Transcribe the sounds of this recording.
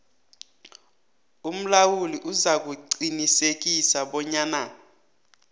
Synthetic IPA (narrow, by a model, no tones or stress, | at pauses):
um̩lawuliʔuzak̬ʼuǀinisek̬isaɓɔɲaːna